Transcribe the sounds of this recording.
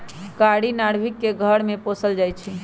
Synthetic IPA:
kaɽinaɽ̤bʱikːeɡʱəɽmeposəld͡ʒajt͡ʃʰi

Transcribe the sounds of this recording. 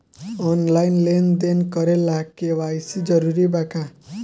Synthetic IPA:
ɔnlajnlend̪enkʌɾelakewajsʰid͡ʒʌɾuɾibaka

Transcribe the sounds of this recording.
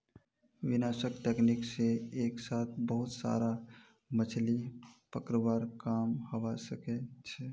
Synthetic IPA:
ʋɪnaːʃəkʈeːknɪkseeːksaːt̪ʰbəɦʊt̪sa̰ːɾa | mət͡ʃʰlipəkɾəbaːɾkaːmhɐʋasəket͡ʃʰɛ

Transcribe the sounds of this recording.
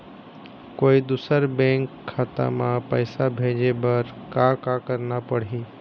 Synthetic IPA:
koːid̪usəɾbɛ̃ŋkʰːat̪a̰mãpəjsabʱed͡ʒebəɾkakakəɾnapəɽɦi

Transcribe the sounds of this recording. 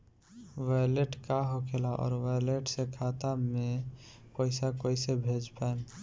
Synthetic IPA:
ʋajleʈkaɦokʰelaʔɔ̰ːɾʋajleʈsẽkʰat̪amepəɪsakojsebʱed͡ʒpaen

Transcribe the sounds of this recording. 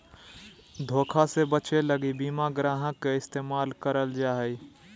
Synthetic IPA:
d̪ʱoːkʰasebət͡ʃeləɡibiːmaɡɾaːɦə̃keɪst̪eːmaːlkəɾəld͡ʒaːɦɛi

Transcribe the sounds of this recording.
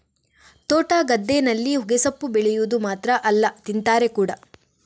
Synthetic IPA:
t̪oːʈaːɡɐd̪ːeːnɐlːiɦuɡesɐpːubɛɭɛjud̪umaːt̪ɾɐʔɐlːɐt̪int̪aːɾekuːɽɐ

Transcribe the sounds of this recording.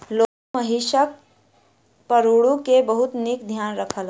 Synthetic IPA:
lokməɦisək̚ | pəɾuɽũkebəɦut̪nikd̪ʱjanɾəkʰəl

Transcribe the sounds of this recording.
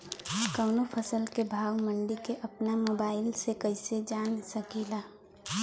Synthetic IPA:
kəʊnopʰəsəlkebʱaːwmə̃ɳɖikeʔɐpnamoːbaːɪlsekəɪsed͡ʒaːnsəkilaː

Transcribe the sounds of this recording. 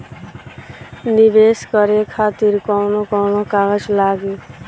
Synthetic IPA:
nibeskʌɾekʰat̪iɾkɔwnokɔwnokaɡʌd͡ʒlaːɡe

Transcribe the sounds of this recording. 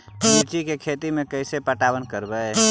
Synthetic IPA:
t͡ʃiɾt͡ʃikekʰet̪imekəjsepəʈabənkəɾbɛ

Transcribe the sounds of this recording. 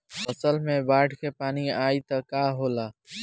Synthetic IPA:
pəsəlmẽbaːʈʰkepaːniaːit̪əkaɦola

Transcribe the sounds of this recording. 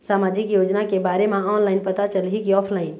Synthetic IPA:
saːmaːd͡ʒɪkjoːd͡ʒnakebaːɾemãɔːnlaɪnpət̪at͡ʃəlɦikiɔːpʰlaːɪn

